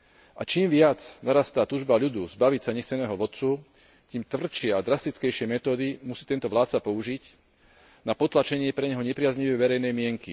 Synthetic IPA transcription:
ʔa̰t͡ʃiːmʋɪat͡snaɾast̪aːt̪uːʒbaʎud̪uzbaʋicsaɲɛxt͡sɛnɛːɦɔʋɔt̪t͡su | c̪iːmt̪vr̩t͡ʃɪɛad̪ɾast̪it͡skɛjʃɪɛmɛt̪ɔːd̪imusiːt̪ɛnt̪ɔʋlaːt̪t͡sapɔuʒic | napɔt̪lat͡ʃɛɲɪɛpɾɛɲɛɦɔɲɛpɾɪazɲiʋɛjʋɛɾɛjnɛjmɪɛŋkḭ

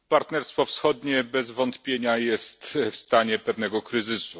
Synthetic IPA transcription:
paɾt̪nɛɾst̪fɔfsxɔd̪ɲɛbɛzvɔnt̪pʲjeɲajɛst̪fst̪aɲɛpɛvn̪ɛɡɔkɾɘzɘsu

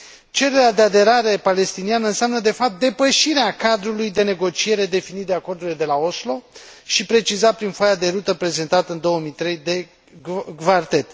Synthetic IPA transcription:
t͡ʃe̞ɾe̞ɾʲad̪e̞ad̪e̞ɾaɾe̞pale̞st̪inianəɨnseamnəd̪e̞fap̚t̪̚d̪e̞pəʃiɾeakad̪ɾulujd̪e̞ne̞ɡo̞t͡ʃie̞ɾe̞d̪e̞finit̪d̪eako̞rd̪uɾiled̪e̞lao̞slo̞ʃipɾe̞t͡ʃizapɾinfajad̪e̞ɾut̪əpɾe̞ze̞nt̪at̪əɨnd̪o̞wəmijt̪ɾe̞jd̪e̞ | ɡvart̪e̞t̪

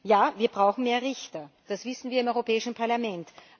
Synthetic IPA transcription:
jaːviːɐbʁaʊxn̩meːɐʁɪçtɐd̥asv̥ɪsn̩viːɐɪmʔɔʏʁopʰɛːɪʃn̩pʰaɐlamɛnt

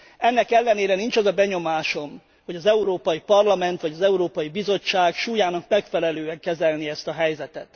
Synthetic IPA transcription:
ɛnːɛkɛlːɛneːɾɛnint͡ʃɒzɒbɛɲo̞maːʃo̞m | ho̞ɟɒzɛuɾoːpɒjipɒrlɒmɛnt̪ʋɒɟɒzɛuɾoːpɒjibizo̞t͡ʃːaːɡʃuːjaːnɒkmɛkfɛlɛløːɛŋkɛzɛlniɛst̪ɒɦɛjzɛt̪ɛt̪

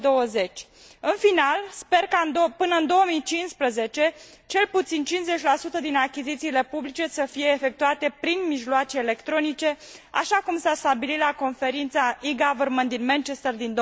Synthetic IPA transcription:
d̪o̞wəze̞t͡ʃʲ | ɨnfinalspe̞rkaɨnd̪opɨnəɨnd̪o̞wəmit͡ʃinspɾəze̞t͡ʃe̞t͡ʃe̞lput̪sint͡ʃinze̞t͡ʃʲlasut̪əd̪inakʲizit̪siːle̞publit͡ʃe̞səfije̞ːfe̞k̚t̪uat̪e̞pɾinmiʒloat͡ʃeːle̞kt̪ɾo̞nit͡ʃe̞ | a̰ʃakumsast̪abilit̪lako̞nfe̞ɾint̪saiɡavərmənd̪inmant͡ʃest̪ərd̪ind̪o

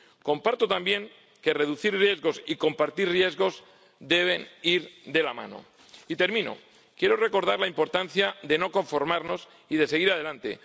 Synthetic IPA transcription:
ko̞mpaɾt̪ot̪ambje̞ŋ | ke̞re̞ðuθiɾrje̞zɣo̞siko̞mpaɾt̪irrje̞zɣo̞z | d̪e̞β̞e̞niɾd̪e̞lamã̰no̞̰ | it̪e̞ɾmĩno̰ | kje̞ɾore̞ko̞ɾð̞aɾlaimpo̞ɾt̪anθjaðe̞no̞ko̞ɱfo̞ɾmaɾno̞s | iðe̞se̞ɣiɾað̞e̞lant̪e̞̰

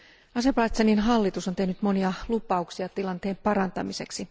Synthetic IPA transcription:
ɑse̞pɑːt̪seninɦɑlːit̪usont̪e̞hnyt̪mo̞niɑlupɑuksiɑt̪ilɑnt̪e̞ːmpɑɾɑnt̪ɑmise̞ksi

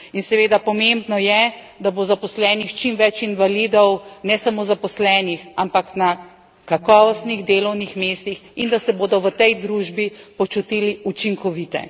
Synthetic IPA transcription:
insɛʋeːd̪apɔmembnɔjɛ | d̪abozapɔslɛːnixt͡ʃimʋɛt͡ʃinʋalid̪ɔwnɛsamoːzapɔslɛːnixampakna | kakɔːʋɔst̪niɣd̪eːlɔwnixmeːst̪ixind̪asɛboːd̪ɔʋət̪ɛjd̪ɾuːʒbipɔt͡ʃut̪iliut͡ʃiŋkɔʋit̪ɛ̰

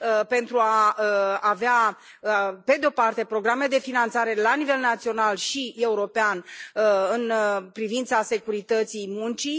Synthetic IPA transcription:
əpe̞nt̪ɾuaəavea | əpe̞d̪eo̞part̪e̞pɾo̞ɡɾamed̪e̞finant̪saɾe̞lanive̞lnat̪sio̞nalʃie̞uɾo̞peanɨnpɾivint̪sase̞kuɾit̪ət̪sijmunt͡ʃi

